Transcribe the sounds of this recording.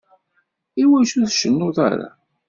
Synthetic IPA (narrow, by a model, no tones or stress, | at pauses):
iwæʃuðʃənːʊða̰ɾa̰